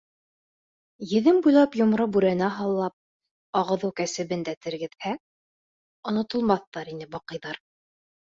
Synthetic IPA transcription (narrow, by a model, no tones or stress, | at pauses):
jɘ̆ðɘmbujlˠɑpjŏmɾɤbʉɾænæɦɑlˠːɑp̚ | ɑʁɤ̆ðɤwkæsɘ̆βɘnd̪æt̪ɘ̆ɾɡɘ̆ðhæ | ŏnŏt̪ɤ̆lˠmɑθːɑɾinɘbɑqɤ̆jðɑɾ